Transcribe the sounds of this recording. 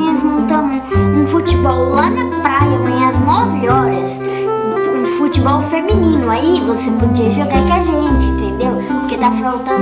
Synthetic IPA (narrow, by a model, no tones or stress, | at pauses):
ẽzmõt̪ɐ̃m̃ũfut͡ʃɪbɔwlanɐpɾajɐvẽj̃ɐznɔvɪɔɾɐs | ũfut͡ʃɪbɔwfemĩnĩnʊaivosepod͡ʒiɐʒoɡakɾɐʒẽt͡ʃɪĩt̪ẽnd̪ewpʊɾked̪afawt̪ɐ